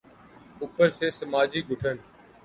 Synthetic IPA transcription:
uːpəɾseːsəmaːd͡ʒiːɡʱʊʈʰən

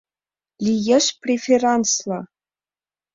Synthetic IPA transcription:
lʲijĕʃprʲefʲerɑnslˠɑ

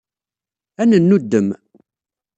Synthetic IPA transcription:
ænənːud̪ːəm

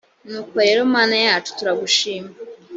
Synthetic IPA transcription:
nuːko̞ɾe̞ːɾomaːnajaːt͡ʃu̥tuɾaɡuʃiːma

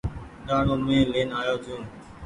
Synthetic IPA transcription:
ɗaːɳoːmẽːleːnaːjoːd͡ʒũː

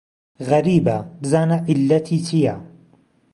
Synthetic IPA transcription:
ɣɐɾiːbɐbɨzaːnɐʔɪlːɐt̪ʰiːt͡ʃʰijɐ

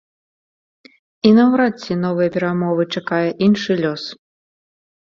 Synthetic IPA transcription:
inɐwɾasʲinɔvɨjɐpʲɛɾamɔvɨt͡ʂakajɛʔinʂɨlʲɔs

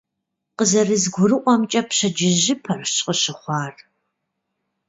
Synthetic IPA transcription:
qəzɐrɨzɡʷʊrɨʔʷʼɔmt͡ʃʼɐpɕɐd͡ʒɪʑɪpʰɐrɕqʼəɕɪχʷɑːr

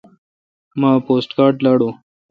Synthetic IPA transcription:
mãːpoːsʈkaːɾɖlaːɽo

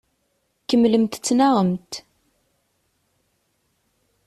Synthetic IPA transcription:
kːəmləmt̪t͡sːnaʁəmt̪

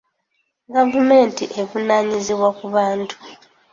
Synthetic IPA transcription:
ɡavume̞ːntiʔevunaːɲiziβwakuβaːntʰu̥

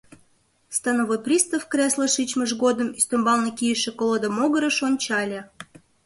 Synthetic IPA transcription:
st̪ɑnovojpɾʲrʲist̪əfkɾʲeslˠəʃɨt͡ɕməʒɡod̪ə̆misʲt̪ombɑlˠnəkʲijəʃekolˠod̪əmoɡəɾəʃonʲt͡ɕɑlʲe

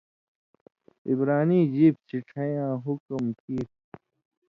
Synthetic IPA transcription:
ibɾaːniːd͡ʑiːb̚t͡ɕiʈʰɐjãːɦukmkiːp̚

